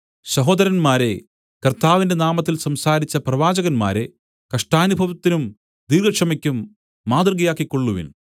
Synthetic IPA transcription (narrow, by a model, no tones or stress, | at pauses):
ɕɐɦo̞ːd̪ɐɾɐnmaːɾe̞ | kɐrt̪aːʋinde̞naːmɐt̪ːilsɐmsaːɾit͡ɕːɐprɐʋaːd͡ʑɐɣɐnma̰ːɾe̞̰ | kɐʂʈaːnubʱɐʋɐt̪ːinum | d̪iːɾɡɐkʂɐmikʲːumː | aːd̪rɡɐjaːkːikːo̞ɭːuʋḭn